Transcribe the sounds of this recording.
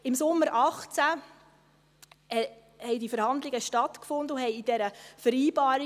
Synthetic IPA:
ɪmsʊmːəɾɑχt͡sæ | hɛɪdifəɾhɑnd̪lɪɡəʃtɑtkfʊnd̪əʊhɛɪid̥ɛɾəfəɾiːbɑːɾ

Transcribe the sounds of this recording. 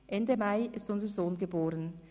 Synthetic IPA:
ʔɛndəmaɪɪstʊnzəzoːnɡəboːʁən

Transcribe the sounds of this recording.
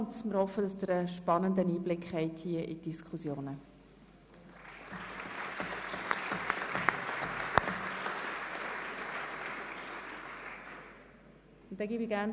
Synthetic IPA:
ntmɪɾhɔfːəd̥ɑsd̪əɾəʃpɑnəndəniːblɪkhɛɪthiəʔḭd̥iskʰusjoːnə | ʊnt̪̚ːɛɡiːbiɡæɾn

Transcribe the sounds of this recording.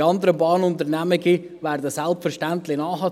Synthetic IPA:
ɑnd̪əɾəbɑːnʊnt̪əɾnæməɡi | ʋæːɾdəsɛlpfəɾʃtænt̪lɪnɑːhɑ

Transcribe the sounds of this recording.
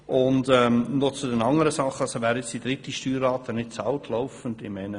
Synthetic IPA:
ʔʊndɛnɔt͡sudɛnɑŋəɾəsɑχːəɑsoʋæːɾjɪt͡sd̥id̥̪ɾɪtːiʃtyːɾɑːtːənɪt̚t͡sɑʊtʰlɔʊfəndɪmɛɪnə

